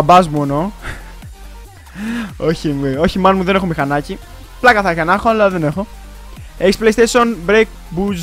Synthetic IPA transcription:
bɐzmueno | oçimio̞çimɐnmuðene̞xomixɐnɐci | plɐkɐθɐçɐnɐxoɐlɐðene̞xo̞ | eksplejst̪esonbɾek̚ | buz

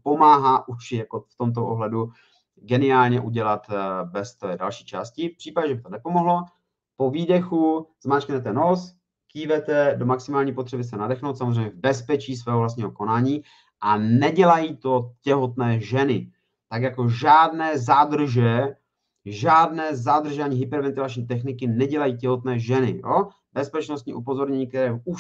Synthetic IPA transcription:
po̞maːɦaːʔuʃɪjakoft̪o̞mt̪̬oʔoɦlɛdu | ɡɛnɪaːlɲɛʔuɟɛlat̪bɛst̪oda̰lʃiːt͡ʃa̰ːscɪfpr̥iːpaɟɛʒɛbɪt̪o̞nɛpo̞moɦlo̞ | po̞viːdɛxuz̥maːt͡ʃknɛt̪ɛnos | kiːvɛt̪ɛdo̞maksɪmaːlɲiːpo̞t̪r̥ɛbɪs̬ɛnadɛxnowt̪samozreɛjmɲːɛvbɛspɛt͡ʃiːs̬vɛːɦovlast̪ɲiːɦo̞ko̞naːɲiː | ʔanɛɟɛlajiːt̪o̞cɛɦo̞t̪nɛːʒɛnɪ | t̪aɡjako̞ʒaːdnɛːzad̪r̩ʒɛ | ʒaːdnɛːzad̪r̩ʒaːɲiːɦɪpɛɾvɛnt̪ɪlat͡ʃɲiːt̪̬ɛxnɪkɪnɛɟɛlajiːcɛɦo̞t̪nɛːʒɛnɪ̰jo̰ | bɛspɛt͡ʃnost̪̚ɲḭːʔupo̞zo̞ɾɲɛɲiːkt̪ɛɾɛːu

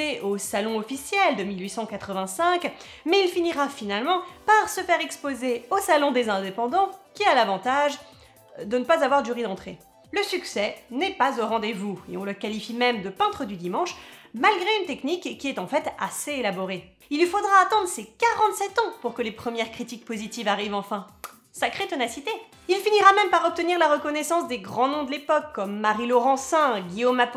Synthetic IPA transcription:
eʔosalɔ̃ɔfisjɛld̪əmilɥisɑ̃kat̪χəvɛ̃sɛ̃k | mɛilfiniʁafinalmɑ̃paʁsəfɛʁɛkspozeosalɔ̃d̪ezɛ̃d̪epɑ̃d̪ɑ̃kʲialavɑ̃t̪aʒ | d̪ənəpazavwaʁd̪yʁid̪ɑ̃t̪χe | ləsyksɛnɛpazoʁɑ̃d̪evuḛɔ̃ləkalifimɛmd̪əpɛ̃t̪χəd̪yd̪imɑ̃ʃmalɡʁeynt̪ɛknikːiɛt̪ɑ̃fɛt̪a̰seelabɔʁe | ilːifod̪ʁaːt̪ɑ̃d̪ʁəsɛkaʁɑ̃t̪sɛt̪ɑ̃puʁkəlepχəmjɛʁkχit̪ik̚pozit̪ivaʁivɑ̃fɛ̃ | sakχet̪ɔnasit̪e | ilfiniʁamɛmpaʁɔp̚t̪əniʁlaʁəkɔnɛsɑ̃sd̪eɡʁɑ̃nɔ̃d̪əlepɔkːɔmːaʁilɔʁɑ̃sɛ̃ɡʲijomap

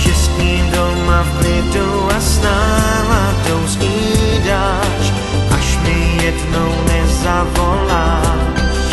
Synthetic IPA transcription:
ʃɪskiːndo | mavlɪdowasna | la | dowsiː | da | t͡ʃ | ʔaʃmɛjjɛdnownɛzavɔlaː

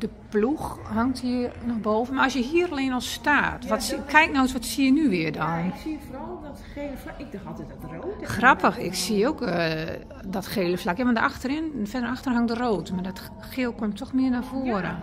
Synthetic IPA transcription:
d̥əpluxhaŋthiənɔxboːvənmaɔlsjəɦiəɾəleːnɔlˠstaːtʋɔtskʰɛjk̚nowəsʋɔtsiənyʋɪərdɔnksiəforɔlˠdɔt | eləfaɪɡ̚daxɔlˠtɛtɔtroːxrapʰəxɪ̰ksiok | dɔtxeːləflakjaʋɔndəʔaxtərɪnfɛdɾaxtərɦaŋdəroːtəmadɔt | xɪːlˠkomtʰɔxmɪənafoəɾə̰

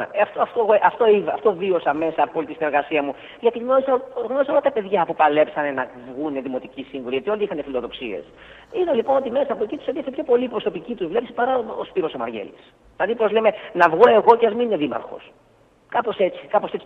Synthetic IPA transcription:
ɐft̪oft̪oeɣoʔɐft̪o̞ivɐ̰ft̪o̞vio̞sɐme̞sɐːpopolit̪isineɾɣɐsiɐmu | ʝɐt̪iɣno̞ɾisɐɣno̞ɾisɐo̞lɐt̪ɐpe̞ðʝɐpupɐle̞psɐne̞nɐvɣune̞ðimo̞t̪icisiɱvoliʝɐt̪io̞liixɐnefilo̞ðo̞ksḭe̞̰s | iðɐlipo̞no̞t̪ime̞sɐpoecit̪uset̪iɐsepço̞po̞lipɾo̞so̞picit̪uzvle̞psi̥pɐɾɐospiɾo̞so̞mɐ̰ɾʝe̞̰lis | lɐðipɾozleme̞nɐvɣune̞ɣo̞ceɐzminine̞ðimɐ̰ɾxo̞̰s | kɐpo̞se̞t͡ssi̥kɐpo̞se̞t͡s

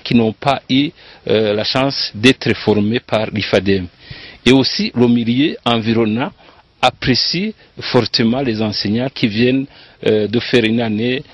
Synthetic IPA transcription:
kinɔ̃pay | laʃɑ̃sd̪ɛt̪χəfɔʁmepaʁlifad̪ɛmeosiləmiljøɑ̃viʁɔnɑ̃ | apʁesi | fɔʁt̪əmɑ̃lezɑ̃seɲɑ̃kʲʰivjɛn | d̪əfɛʁynane

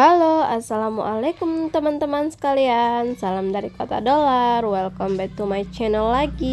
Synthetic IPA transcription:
aloasalamṵʔalakumt̪əmant̪əmansə̥kaliansalamdaɾikot̪a̰dolarwɛlkɔmbɛt̪umajt͡ʃɛnɛlːaɡi

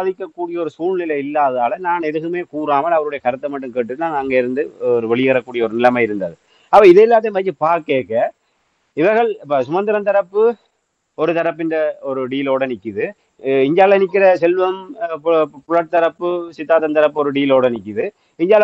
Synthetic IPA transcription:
ðɪkːɐkːuːɽɪjɐɔɾɯsuːɻnɪlɐjɪlːaːðaːlɐnaːnɛðɯɣɯmeːkuːɾaːmɐɭɐʋɐɾɯɽɐjɐkɐɾɯt̪ːɐmɐʈːɯmkeːʈːɯt̪ɯanɐŋɡeːɪɾɯnd̪ɯɔɾɯʋɛɭɪjɣɐɾɐkːuːɽɪjɐɔɾɯnɪlɐmaːɪɾɯnd̪ɐðɯ | ɐpːɐɪðɛlːaːt̪̬ːɐj̃ʋɐɪt͡ʃːɯpaːɾkeːkːɐ | ɪʋɐɾɣɐɭpɐsʊɣɐnd̪ɪɾɐnt̪ɐɾɐpːɯ | ɔɾɯt̪ɐɾɐpːɪndrɐɔɾɯɖiːloːɽɐnɪkːɪðɯ | ɪɲd͡ʒaːlɐnɪk̬ːɪɾɐsɛlʋɐm | pʊɻɐʈ̚t̪ːɐɾɐpːɯsɪt̪ːaːt̪ːɐnt̪ɐɾɐpːɔɾɯɖiːloːɽɐnɪkːɪðɯ | ɪɲd͡ʒaːl

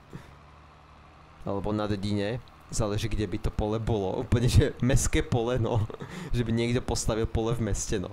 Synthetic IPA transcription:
a̰lɛbɔnad̪ɛɟiɲɛ | zaːlɛʒiːɡɟɛbit̪ɔpɔlɛbɔlɔ̰ʔṵːpl̩ɲɛʒɛmɛskɛːpɔlɛnɔ̰ʒɛbiɲɪɛɡd̪ɔpɔst̪aʋilpɔlɛvmɛscɛnɔ̰

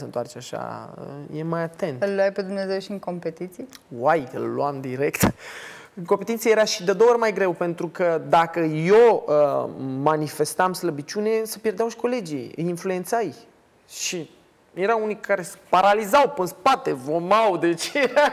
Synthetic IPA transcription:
sənt̪oart͡ʃeaʃa̰əjemajat̪ent̪ɨllːoajped̪umneazewʃiɨŋko̞mpet̪it̪sijwajɨ̰lːwamd̪iɾe̞kt̪ | ɨŋkompet̪int̪iejeɾaʃid̪ed̪oorʲmajɡɾe̞wpe̞nt̪ɾukəd̪akəjoəmanife̞st̪amsləbit͡ʃune̞sepjerd̪eawʃi̥ko̞le̞d͡ʒḭjɨjinflue̞nt̪saj | ʃi | jeɾawunijkʰaɾe̞spaɾalizawpənspat̪e̞vomawd̪et͡ʃea

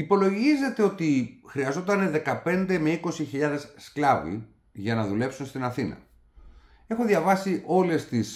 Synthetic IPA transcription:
ipo̞lo̞ʝize̞t̪e̞o̞t̪ixɾiɐzo̞t̪ɐnðe̞kɐpe̞nd̪e̞me̞iko̞siçiʎɐðe̞sːklɐvḭ | ʝɐnɐðule̞psunst̪inɐθinɐ̰ | e̞xoðʝɐvɐsiʔo̞le̞st̪is

